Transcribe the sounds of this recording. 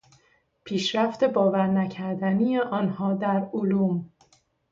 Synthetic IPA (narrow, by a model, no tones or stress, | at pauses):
pʰiːʃɾæft̪e̞bɒːvæɾnæcʰæɾd̪ænijeʔɒːnhɒːd̪æɾoluːm